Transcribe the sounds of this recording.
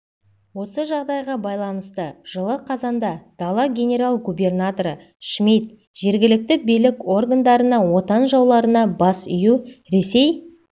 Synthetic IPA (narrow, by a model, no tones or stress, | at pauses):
wo̞səʒɑʁd̪ɑjʁɑbɑjlˠɑnəst̪əʒ̥əlˠəqʰɑzɑnd̪ɑd̪̥ɑlˠɑɡʲe̞nʲe̞ɾalˠɡubʲe̞rnat̪o̞ɾə | ʃmit̪ | ʒ̥e̞ɾɡʲɪlɪk̚t̪ɪbijlɪko̞rɡand̪ɑɾənɑwo̞t̪ɑnʒɑwlˠɑɾənɑbɑsʏjuɾe̞se̞j